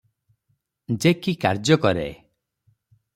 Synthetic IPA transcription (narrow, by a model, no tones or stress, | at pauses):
d͡ʒekikaɾd͡ʒjɔkɔɾḛ